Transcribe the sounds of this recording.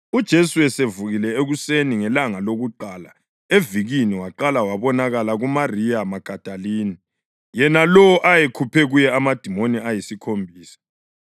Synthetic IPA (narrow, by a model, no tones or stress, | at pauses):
ud̥ʒ̥ʱesuɛsevuɣilɛeɣuseniŋɛlaŋaloɣuǃaːla | eviɣiniwaǃalawaβɔnaɣalaɣumarijamaɡ̥ʱad̥ʱaliːni | jɛnalɔʔajekʰupʰɛɣujɛamad̥ʱimoniajisikʰombʱiːsḁ